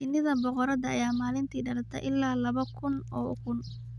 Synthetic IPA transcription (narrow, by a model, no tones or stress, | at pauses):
ɪnɪðɐbɔqɔɾɐd̪ɐ̰ːjaːmaːlɪnt̪ʰiːɖɐɾɐt̪ʰɐ̰ʔɪlːaːlɐβɐkʰʊnʔɔːʊ̰kʰʊn